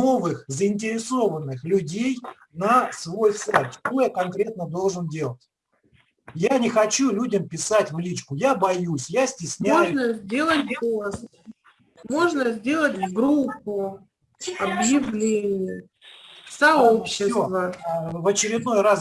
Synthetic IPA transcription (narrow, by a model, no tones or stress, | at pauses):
o̞vɨxzəɪnʲt̬ʲɪɾʲɪso̞vənːɨxlʲʊdʲej | nəsvo̞jsajt̪ʂt̪o̞jakɐnkɾʲe̞t̪nəd̪o̞lˠʐɨndʲe̞lˠət̚ʲ | janʲɪxɐt͡ɕulʲudʲəmpʲɪsatʲvlʲit͡ɕkʊjabɐjusʲjasʲtʲɪsʲnʲæjʊnəzʲdʲe̞lˠəs | mo̞ʐnəzʲdʲe̞lˠətʲvɡɾupːʊ | ɐbjɪvlʲenʲɪjə | sɐopɕːɪvəvət͡ɕɪɾʲɪd̪no̞jras